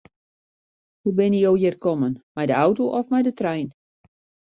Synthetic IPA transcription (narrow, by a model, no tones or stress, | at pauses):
hubɪnijowjɪrkɔmənmɛjdəawtoʔɔfmɛjdətrɛjn